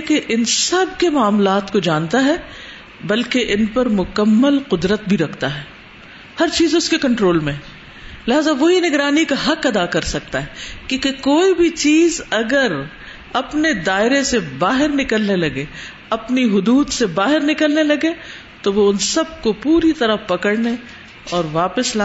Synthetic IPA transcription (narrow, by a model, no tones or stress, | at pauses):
keʔɪnsɐb̚kemaːmlaːt̪kod͡ʒãːnt̪aɦɛ | bɐlkeʔɪnpɐɾmʊkəmːəlqʊd̪ɾət̪̚bʱiɾɐkʰt̪aɦɛː | hɐɾt͡ʃiːzʊskekɐ̃ɳʈɾoːlmẽɦɛ̃ | leɦaːzaʋoɦinɪɡɾaːnikaɦɐqɐd̪akɐɾsɐk̚t̪aɦɛːkjõːkekoːibʱit͡ʃiːzɐɡəɾ | ɐpned̪aːɪɾesebaːɦɪɾnɪkəlnelɐɡe | ɐpniɦʊd̪uːd̪sebaːɦɪɾnɪkəlnelɐɡe | t̪oʋoʊnsɐb̚kopuːɾit̪ɐɾəpɐkəɽne | ɔːɾʋaːpəsl